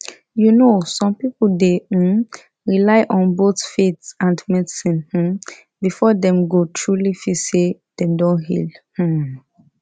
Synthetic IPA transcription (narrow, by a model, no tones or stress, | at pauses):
junosɔ̃mpipl̩de | ɹilaɪʔɔ̃nboθfetsãndmɛdsĩnh̩ | bifɔdɛ̃mɡotʰɹulifisedɛ̃mdɔ̃nɦḭlh̩